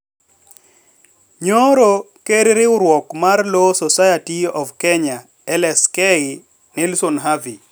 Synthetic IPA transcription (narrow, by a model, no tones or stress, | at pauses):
ɲoɾo | keɾɾɪʊɾwɔkmarlosɔsajatiɔvkɛɲa | ɛlɛskɛɡɪ | nelsonɦavi